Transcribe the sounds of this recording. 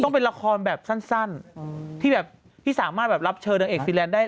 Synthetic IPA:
t̪ɔ˥˩ŋpe˧nla˧kʰɔː˧nbɛː˨˩p̚sa˥˩nsa˥˩nt̪ʰiː˥˩bɛː˨˩p̚ | t̪ʰiː˥˩saː˨˩˦maː˥˩t̪̚bɛː˨˩la˦˥p̚t͡ɕʰɤː˧naː˧ŋʔeː˨˩k̚fi˧nlɛː˧˥ndaː˥˩

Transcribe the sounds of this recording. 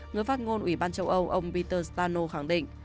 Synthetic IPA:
ŋɨ˨˩əfaː˦˥t̚ŋo˧nʔwi˧˩ɓaː˧nt͡ɕə˧wʔə˧wʔə˧wŋ͡mpi˧t̪əː˧st̪aː˧no˧xa˧˩ŋɗḭ˧˨ŋ̟

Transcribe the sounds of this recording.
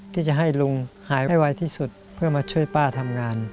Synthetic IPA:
t̪ʰiː˥˩t͡ɕa˨˩ɦa˥˩jlu˧ŋhaː˩˦jjwa˧jt̪ʰiː˥˩su˨˩t̪̚pʰɯ˥˩ɐmaː˧t͡ɕʰu˥˩əjpaː˥˩t̪ʰa˧mŋaː˧n

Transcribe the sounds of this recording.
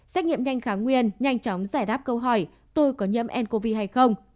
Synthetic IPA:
sɛ˦˥k̚ɲḭ˧˨əmɲa˧jŋ̟xaː˨˦ŋwi˧ənɲa˧jŋ̟t͡ɕɔ˨˦wŋ͡mzaː˧˩jɗaː˦˥p̚kə˧wɦɔ˧˩j | t̪o˧jkɔ˨˦ɲə̰˧˥mʔɛ˧nko˧vi˧ɦa˧jxə˧wŋ͡m

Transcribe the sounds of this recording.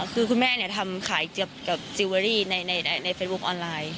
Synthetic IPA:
kʰɯː˧kʰu˧nmɛː˥˩ni˧˩ət̪ʰa˧mkʰaː˩˦jkɯ˨˩əp̚ka˨˩p̚si˧waː˧ɾiː˥˩na˧jna˧jna˧jna˧jfeː˦˧˥s̚bu˦˥k̚ʔɔː˧nlaː˧j

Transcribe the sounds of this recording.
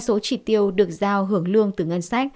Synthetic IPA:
so˨˦t͡ɕi˧˩t̪i˧əwɗɨ˨˩ək̚zaː˧wɦɨ˧˩əŋlɨ˧əŋt̪ɨ˨˩ŋə˧nsa˦˥k̚

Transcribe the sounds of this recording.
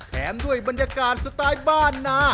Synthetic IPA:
t̪ʰɛː˩˦˥mdu˥˩əjba˧njaː˧kaː˧n̚sa˧t̪aː˦˥jbaː˥˩nːaː˦˥

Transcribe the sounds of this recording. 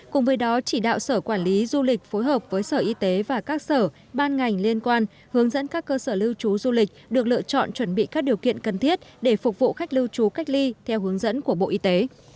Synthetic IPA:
kʊ˨˩ŋ͡mvəː˨˦jɗɔ˨˦t͡ɕi˧˩ɗa̰ː˧˨wsəː˧˩kwaː˧˩nli˨˦zu˧lï˨˩k̟̚fo˨˦jɦəː˨˩p̚vəː˨˦jsəː˧˩ʔi˧t̪e˨˦vaː˨˩kaː˦˥k̚səː˧˩ | ɓaː˧nŋa˨˩jŋ̟li˧ənkwaː˧n | hɨ˨˦əŋzə̰˧˥nkaː˦˥kːəː˧səː˧˩lɨ˧wt͡ɕu˨˦zu˧lï˨˩k̟̚ɗɨ˨˩ək̚lɨ̰˧˨ət͡ɕɔ̰˧˨nt͡ɕwə˧˩nɓḭ˧˨kaː˦˥k̚ɗi˨˩əwkḭ˧˨ənkə˨˩nt̪ʰi˦˥ət̚ɗe˧˩fʊ˨˩k͡p̚vṵ˧˨xa˦˥jk̟̚lɨ˧wt͡ɕu˨˦ka˦˥jk̟̚li˧t̪ʰɛ˧wɦɨ˨˦əŋzə̰˧˥nku˧˩əɓo̰˧˨ʔi˧t̪e˨˦

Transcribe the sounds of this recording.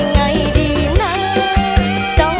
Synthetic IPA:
ŋa˧˩˦jɗi˧˩ | na˧˦j | t͡ɕɔ˧˦

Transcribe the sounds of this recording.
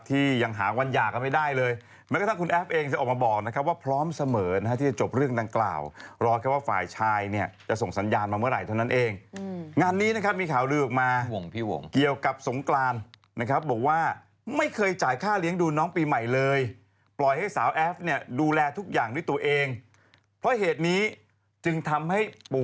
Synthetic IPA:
t̪ʰiː˥˩ja˧ŋɦa̰ː˩˦wa˧njaː˨˩kːa˧nma˥˩jdaː˥˩jlɤː˧j | mɛ˦˥jkːt̪ʰa˥˩ku˧nʔɛː˦˥p̚ʔeː˧ŋt̪iː˥˩ʔːkmaː˧bɔː˨˩k̚na˦˥kʰa˦˥p̚waː˥˩pʰɾɔː˦˥msa˧mɤː˩˦na˦˥a˥iː˥˩t͡ɕa˨˩t͡ɕo˨˩p̚ɾɯ˥˩əŋda˧ŋkla̰ː˨˩wɾɔː˧˩kʰa˦˥˩waː˥˩fa̰ː˨˩jt͡ɕʰaː˧jni˥˩ɐt͡ɕa˨˩so˨˩ŋsa˩˦njaː˧nmaː˧mɯ˥˩əɾa˨˩jt̪ʰa˥˩wna˦˥nʔeː˧ŋŋaː˧nːiː˦˥na˦˥kʰa˦˥p̚miː˧kʰaː˩˦wɾɯː˧ʔɔ˨˩k̚maː˧o˨˩˦ŋpʰi˥˩o̰˨˩˦ki˨˩əwka˨˩p̚so˩˦ŋklaː˧n | na˦˥kʰa˦˥p̚bɔː˨˩k̚waː˥˩ | ma˥˩jkʰɤː˧jt͡ɕaː˨˩jkʰaː˥˩li˦˥əŋduː˧nɔː˦˥ŋpiː˧ma˨˩jlɤː˧j | plɔ˨˩jha˥˩jsaː˩˦wʔɛː˦˥p̚ni˥˩ɐəduː˧lɛː˧t̪ʰu˦˥k̚jaː˨˩ŋdu˥˩jt̪u˧ɐʔeː˧ŋ | pʰɾɔ˦˥ɦeː˨˩t̪̚niː˦˥ | t͡ɕɯ˧ŋt̪ʰa˧mha˥˩j

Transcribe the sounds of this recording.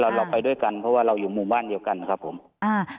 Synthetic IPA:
la˧wla˧˩wpa˧jdu˥˩˨jka˨˩npʰɔ˦˥waː˧˩ɾa˧wjuː˨˩muː˧˩mbaː˥˩˨ndi˧əwka˨˧˩n˧kʰa˦˥p̚ʰːo˩˦m | ʔaː˧˩

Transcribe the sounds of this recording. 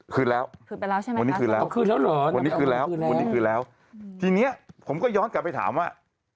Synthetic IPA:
kʰɯː˧lɛː˦˥wwa˧nːiː˦˥kɯː˧lɛː˦˧wkʰɯː˧lɛː˦˥wlɔː˨˦wa˧nːi˦˥kʰɯː˧lɛː˦˥wwa˧ni˦˥kʰɯː˧lɛː˦˥w | t̪ʰiː˧ni˦˥ɐpʰo˩˦mkɔː˥˩jɔː˦˥nka˨˩pːa˧jt̪ʰa̰ː˩˦mwaː˥˩

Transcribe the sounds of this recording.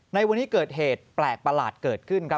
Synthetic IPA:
na˧jwa˧nːiː˦˥kɤː˨˩t̪̚heː˨˩t̪̚plɛː˨˩k̚pa˧laː˨˩t̪̚kɤː˨˩t̪̚kʰɯ˥˩nkʰɾa˦˥

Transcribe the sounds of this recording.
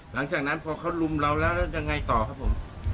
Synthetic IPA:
la˨˩˦ŋt͡ɕaː˨˩k̚na˦˥npʰɔː˧kʰa˦˥wlu˧mɾa˧wlɛː˦˥wlɛ˦˥ja˧ŋːa˧jt̪ɔː˨˩kʰa˦˥p̚ʰːo˨˩˦m

